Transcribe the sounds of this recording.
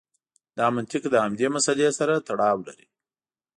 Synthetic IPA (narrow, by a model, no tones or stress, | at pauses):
d̪ɑmant̪ɪkd̪əhamd̪emasalesaɾat̪aɽɑwla̰ɾi